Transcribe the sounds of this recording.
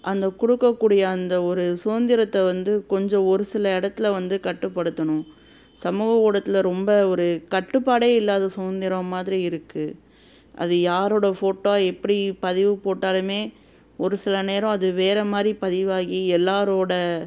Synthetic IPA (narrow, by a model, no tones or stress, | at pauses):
ʔɐnd̪ɐkɔɽɯkːɐkːuːɽɪjɐːnd̪ɐɔɾɯsoːnd̪ɪɾɐt̪ːɐʋɐnd̪ɯkɔɲd͡ʒɔ̃ɔɾɯsɪlɐɪɽɐt̪ːɪlɐʋɐnd̪ɯkɐʈːɯpːɐɽɯt̪ːɐɳʊ̃ | sɐmuːɣɐɔɽɐt̪ːɪlɐɾɔmbɐɔɾɯkɐʈːɯpːaːɽeːɪlːaːðɐsoːnd̪ɪɾɐ̃maːðɪɾiɪɾɯkːɯ | ʔɐ̰ðɯjaːɾoːɽɐfoːʈːoːaːɛpːɐɽipɐðɪʋɯpoːʈːaːlɯmeː | ɔɾɯsɪlɐneːɾɔ̃ɐðɯʋeːɾɐmaːd̪ɾipɐðɪʋaːɣiɛlːaːɾoːɽɐ